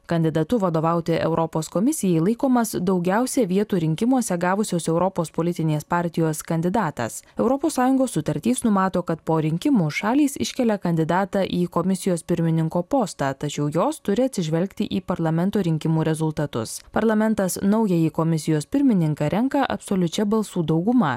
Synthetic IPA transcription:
kɐnʲd̪ʲɪd̪ɐt̪ʊʋɐd̪oːʋɐˑʊt̪ʲɪʔɛ̰ʊɾʔɔpoːskɔmʲɪsʲɪjɛɪlˠɐɪkoːmɐsd̪ɒʊɡʲɛʊsʲɛʋʲiɛt̪uːɾʲɪŋʲkʲɪmuɔsʲɛɡɑːʋʊsʲoːsɛʊɾɔpoːspoːlʲɪt̪ʲɪnʲeːspɑːɾʲt̪ʲɪjoːskɐnʲd̪ʲɪd̪ɑːt̪ɐ̰sɛʊɾɔpoːssɑːjʊŋɡoːsːʊt̪ɐɾʲt̪ʲiːsnʊmɑːt̪oːkɐt̪poːɾʲɪŋʲkʲɪmuːʃɑːlʲiːsɪʃʲkʲɛlʲɛkɐnʲd̪ʲɪd̪ɑːt̪ɑːʔiːkɔmʲɪsʲɪjoːspʲɪɾʲmʲɪnʲɪŋkoːpoːst̪ɑt̪ɐt͡ʃʲɛʊjoːst̪ʊɾʲɪɐt̪ʲsʲɪʒʲʋʲɛlʲkt̪ʲɪʔiːpɐɾlˠɐmʲɛnt̪oːɾʲɪŋʲkʲɪmuːɾʲɛzʊlˠt̪ɐt̪ʊ̰spɐɾlˠɐmʲɛnt̪ɐsnɐʊjɛjikɔmʲɪsʲɪjoːspʲɪɾʲmʲɪnʲɪŋkɐːɾʲɛŋkɐʔɐ̰psoːlʲʊt͡ʃʲɛbɐlˠsuːd̪ɐʊɡʊmɐ

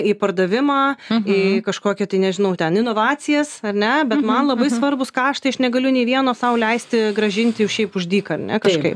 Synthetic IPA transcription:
ipɐrd̪ɐʋʲɪmɑːɪkɐʃkoːkʲɪt̪ɐɪnʲɛʒʲɪnɐʊt̪ʲɛnɪnoːʋɑːt͡sʲɪjɛssɐrʲnʲɛbʲɛt̪mɐnlˠɐbɐɪsʋɐrbʊskɑːʃt̪ɐɪɐʃnʲɛɡɐlʲʊnʲeːʋʲiɛnoːsɐʊlʲɛɪsʲt̪ʲɪɡɾɐʒʲɪnʲt̪ʲɪɛʊʃʲɛɪpʊʒʲd̪ʲiːkɐrʲnʲɛ̰kɐʃkɐɪp

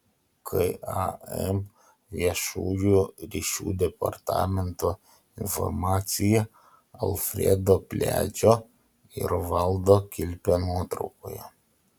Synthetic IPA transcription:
kʰɐ̰ɪɑ̰ɛm | ʋʲiɛʃuːjuːɾʲiːʃʲṵːd̪ʲɛpɐ̰ɾt̪ɑ̰ːmʲɛnt̪oː | ɪnfɔ̰ɾmɑːt̪sʲɪjɛ | ɐ̰lˠfʲɾʲɛ̰d̪oːpʲlʲæ̰ːt͡ʃʲoː | ɪ̰ɾʋɐlˠd̪oːkʲɪlʲpʲenuɔt̪ɾɐ̰ʊkoːjɛ̰

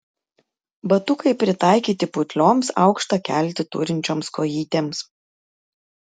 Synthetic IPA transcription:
bɐt̪ʊkɐɪpʲɾʲɪt̪ɑˑɪkʲiːt̪ʲɪpʊt̪ʲlʲoːmsɑ̰ʊkʃt̪ɐkʲæ̰ˑlʲt̪ʲɪt̪ʊ̰ːɾʲɪnʲt͡ʃʲoːmskoːjiːt̪ʲeːms

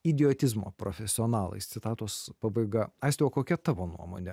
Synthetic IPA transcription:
ɪd̪ʲɪoːt̪ʲɪzmo̰ːpɾoːfʲɛsʲɪoːnɑːlˠɐ̰ɪst̪sʲɪt̪ɑːt̪oːspɑːbɐɪɡɐɐɪsʲt̪ʲɛokoːkʲɛt̪ɑːʋoːnṵɔmo̰nʲɛ

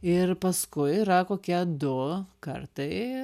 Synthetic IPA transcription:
ɪɾpɐskʊɪɾɐkoːkʲiɛd̪ʊkɐ̰ɾt̪ɐɪ

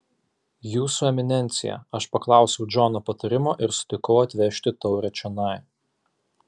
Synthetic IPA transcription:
juːsuɛmʲɪnʲɛnʲt̪sʲɪ̰jɛ̰ɐʃpɐklˠɑˑʊsʲɛʊd͡ʒoɔːnopɐt̪ɐɾʲɪmoːʔɪɾsʊ̥t̪ʲɪkɐʊɐt̪ʲʋʲɛʃʲt̪ʲɪt̪ɔʊɾʲɛt͡ʃʲɛnɐˑɪ

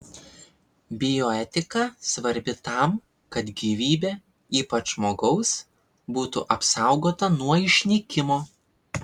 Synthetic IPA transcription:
bʲɪjoːɛt̪ʲɪkɐsʋɐɾʲbʲɪt̪ɐˑm | kɐt̪ɡʲiʋʲiːbʲeː | iːpɐt͡ʃʒmoːɡɐʊs | buːt̪ṵʔɐpsɐˑʊɡoːt̪ɐnuɔɪʃʲnʲɛkʲɪmoː

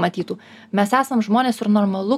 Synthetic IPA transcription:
mɐt̪ʲiːt̪uː | mʲɛsæːsɐmʒmoːnʲeːsɪɾnɔɾmɐlˠʊ

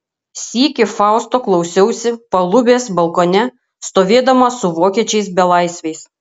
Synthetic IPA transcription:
sʲiːkʲɪfɑˑʊst̪oːklˠɒʊsʲɛʊsʲɪpɐlˠʊbʲeːsbɐlˠkoːnʲɛ | st̪oːʋʲeːd̪ɐmɐsʊʋoːkʲiɛt͡ʃʲɛɪsbʲɛlˠɑˑɪsʲʋʲɛɪs

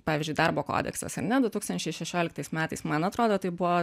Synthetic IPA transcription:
pɑːʋʲɪzʲd͡ʒʲʊɪd̪ɐɾboːko̰ːd̪ʲɛ̰ksɐ̰sɐ̰ɾnʲɛd̪ʊt̪uːkst̪ɐnʲt͡ʃʲɛɪʃʲɛʃʲoːlʲɪkt̪ɐɪsmʲæːt̪ɐɪsmɐnɐt̪ɾoːd̪oːt̪ɐɪbʊʋo

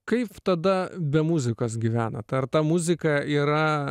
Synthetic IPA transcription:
kɐɪpt̪ɐd̪ɐbʲɛmʊzʲɪkos̬ɡʲɪʋʲæːnɐ̰t̪ɐrt̪ɐmʊzʲɪkɐiːɾɐ

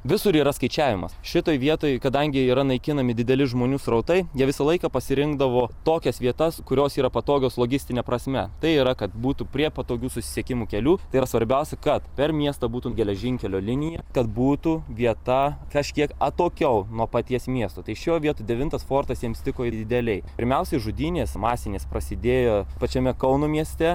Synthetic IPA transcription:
ʋʲɪsʊɾiːɾɐskɐɪt͡ʃʲæːʋʲɪmɐsʃʲɪt̪oːjʋʲiɛt̪oːjkɐd̪ɐŋʲɡʲɪiːɾɐnɐɪkʲɪnɐmʲɪd̪ʲɪd̪ʲɛlʲɪʒmoːnʲuːsɾɐʊt̪ɐɪjiɛʋʲɪsɐlˠɐɪkɐpɐsʲɪɾʲɪŋɡd̪ɐʋoːt̪oːkʲɛsʋʲiɛt̪ɐskʊɾʲoːsiːɾɐpɐt̪oːɡʲoːslˠoːɡʲɪsʲt̪ʲɪnʲɛpɾɐsʲmʲɛ̰t̪ɐɪiːɾɐkɐt̪̚buːt̪upʲɾʲiɛpɐt̪oːɡʲuːsʊsʲɪ̥sʲɛkʲɪmuːkʲɛlʲuːt̪ɐɪiːɾɐsʋɐɾʲbʲɛʊsʲɛkɐt̪pʲɛrmʲiɛst̪ɐbuːt̪uɡʲɛlʲɛʒʲɪŋʲkʲɛlʲoːlʲɪnʲɪjɛkɐt̪buːt̪uʋʲiɛt̪ɐkɐʃʲkʲiɛkɐt̪oːkʲɛʊnuɔpɐt̪ʲiɛsmʲiɛst̪uːt̪ɐɪʃʲoːʋʲiɛt̪ud̪ʲɛʋʲɪnt̪ɐsfoːrt̪ɐsjiɛmst̪ʲɪkoːɪd̪ʲɪd̪ʲɛlʲɛɪpʲɪɾʲmʲɛʊsʲɛɪʒʊd̪ʲiːnʲeːsmɑːsʲɪnʲeːspɾɐsʲɪd̪ʲeːjoːpɐt͡ʃʲɛmʲɛkɐʊnuːmʲiɛsʲt̪ʲɛ

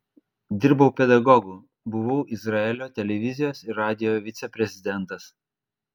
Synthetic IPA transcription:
d̪ʲɪɾbɐʊpʲɛd̪ɐɡɔɡuː | bʊʋɐʊʔɪzɾɑɛlʲoːt̪ʲɛlʲɛʋʲɪzʲɪjoːsɪɾɑːd̪ʲɪjoʋʲɪt̪sʲɛpʲɾʲɛzʲɪd̪ʲɛnˑt̪ɐs

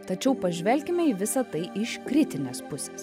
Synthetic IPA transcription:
t̪ɐt͡ʃʲɛʊpɐʒʲʋʲɛlʲkʲɪmʲɛiːʋʲɪsɐt̪ɐɪʔɪʃkɾʲɪt̪ʲɪnʲeːspʊsʲeːs

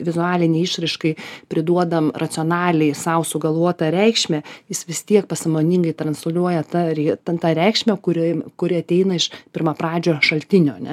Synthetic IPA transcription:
ʋʲɪzʊɑːlʲɪnʲɛːɪʃɾʲɐɪʃkɐɪpʲɾʲɪd̪uɔd̪ɐmrʔɐt̪sʲɪoːnɑːlʲɛɪsɐʊsʊɡɐlˠʋuɔt̪ɐɾʲɛɪkʃʲmʲɛjɪsʋʲɪst̪ʲiɛk̚pɐsɐmoːnʲɪŋɡɐɪt̪ɾɐnslʲuɔjɛt̪ɐɾʲɛt̪ɐt̪ɐɾʲɛɪkʃʲmʲɛkʊɾʲɪkʊɾʲɪɐt̪ʲɛɪnɐɪʃpʲɪɾmɐpɾɑːd͡ʒʲoːʃɐlʲt̪ʲɪnʲoːɐnʲɛ

